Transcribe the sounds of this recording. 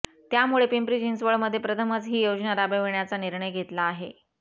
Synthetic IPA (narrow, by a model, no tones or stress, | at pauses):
t̪jamuɭepimpɾid͡ʑinsʋəɭməd̪ʱːjepɾət̪ʰəmət͡sɦiːjod͡ʑnaɾabəʋeɳjat͡saniɾɳəjɡʱet̪laːɦe